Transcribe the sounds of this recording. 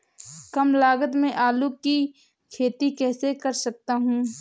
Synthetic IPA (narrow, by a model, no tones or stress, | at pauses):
kɐmlaːɡət̪mẽʔaːluki | kʰeːt̪ikɛːsekɐɾsɐk̚t̪aɦũː